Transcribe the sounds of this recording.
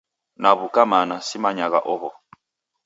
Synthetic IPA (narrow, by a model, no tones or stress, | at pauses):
naβukamanasimaɲaɣa̰ʔɔɦɔ